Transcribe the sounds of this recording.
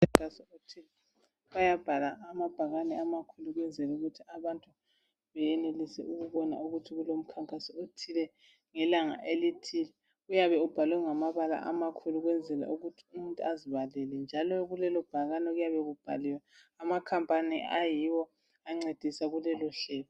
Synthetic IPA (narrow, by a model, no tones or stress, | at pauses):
aŋkʼasɔotʰilɛ | βajab̥ʱalaːmab̥ʱaɣanɛamakʰuluɣwɛnd͡zʱɛluɣutʰiaβantʼu | βɛjɛnelisɛ̰uɣuβɔna̰uɣutʰiɣulom̩kʰaŋkʼasɔotʰilɛ | ŋɛlaŋa̰ʔelitʰilɛ | ɣujaβɛub̥ʱalwɛŋamaβala̰ʔa̰makʰuluɣwɛnd͡zʱɛla̰ʔuɣutʰi̥um̩ntʼuaziβalɛlɛnd͡ʒʱalɔɣulɛlɔb̥ʱaɣanɛɣujaβɛɣub̥ʱa̰liwɛamakʰampʼaniʔajiwɔ | aŋ͡ǀed̥ʱisaɣulɛlɔɬɛːlɔ